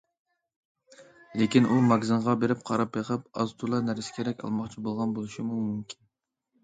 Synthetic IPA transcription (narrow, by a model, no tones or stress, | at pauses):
lekʲinʔumɑɡzɨɴʁɑbeɾɪp̚qʰɑɾɑp̚beqʰəpɑ̰zt̪ʰulˠɑnæɾsɪ̥kʲʰeɾɛkʲɑ̰lˠmɑχt͡ʃʰibolˠʁɑnbolˠɨʃimumumkʲʰin